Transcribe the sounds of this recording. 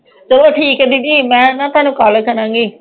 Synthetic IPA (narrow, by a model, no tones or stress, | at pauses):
t͡ʃəloːʈʰiːkɦɛd̪idiːmɛ̃ːnãːt̪ʊaːnũːkaːləkəɾãːŋɡiː